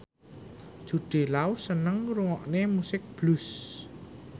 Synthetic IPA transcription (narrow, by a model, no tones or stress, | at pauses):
d̥ʒ̥ṳɖ̥e̤lausənəŋɾuŋɔʔnemusɪk̚b̥lus